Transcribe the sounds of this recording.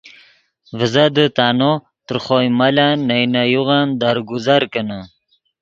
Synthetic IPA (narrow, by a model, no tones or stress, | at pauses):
vəzad̪ət̪aːno | t̪əɾχojmalanːajnajuʁand̪aɾɡuzaɾkəna